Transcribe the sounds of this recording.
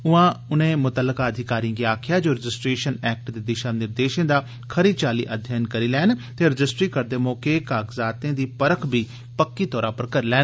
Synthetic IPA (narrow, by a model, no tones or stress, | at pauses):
ʊãːʊnẽːmʊt̪əlːəkaːəd̪ʱɪkaːɾĩɡiaːkʰɪjaːd͡ʒoːɾəd͡ʒɪsʈɾeːʃənɛːk̚ʈd̪eːd̪ɪʃãːnɪɾd̪eːʃẽːd̪aː | kʰəɾiːt͡ʃaːlḭːʔəd̪ʱjaːjnkəɾiːlɛːnt̪eːɾəd͡ʒɪsʈɾiːkəɾd̪eːmɔːkeːkaːɡzaːt̪ẽːd̪iːpəɾəkʰbʱiː | pəkːiːt̪ɔːɾãːpəɾkəɾlɛːn